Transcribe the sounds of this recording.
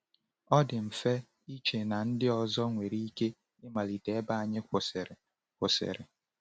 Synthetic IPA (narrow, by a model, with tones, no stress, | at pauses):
ɔ˦dɪ˨m̩˨fe˦ | i˦t͡ʃe˨na˨n̩˦dɪ˦ɔ˨zɔ˦ŋʷe˨ɾi˦i˦ke˦ | ɪ˦ma˨li˨te˨˦ba˦a˨ɲɪ˦kʷs | kʷʊ˨sḛ˨ɾɪ̰˨